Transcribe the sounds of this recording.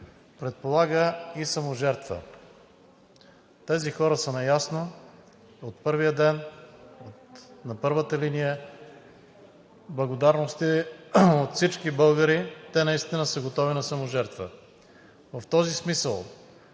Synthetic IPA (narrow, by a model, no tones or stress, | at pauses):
pɾɛt̪̚polˠaɡəisɐmoʒɛɾt̪və̰ | t̪ɛzixɔɾəsənɐjasno | ot̪̚pɤɾvijəd̪ɛnot̪nɐpɤɾvət̪əlinijə | blˠɐɡod̪aɾnost̪i | ot̪fsit͡ʃkibɤlˠɡəɾit̪ɛnɐist̪inəsəɡot̪ɔvinɐsɐmoʒɛɾt̪və̰ | vɐft̪ɔzismisəlˠ